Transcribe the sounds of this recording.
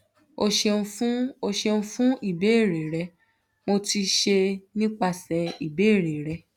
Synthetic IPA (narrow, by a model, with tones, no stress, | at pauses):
o˧ʃẽ˧fũ˦o˧ʃe˧nũ˧fũ˦i˦˨be˨˦e˦˨ɾe˨ɾɛ˧˦ | mo˧ti˧ʃe˧nĩ˦k͡pa˧sɛ˧i˨be˨˦˨ɾe˨ɾɛ˧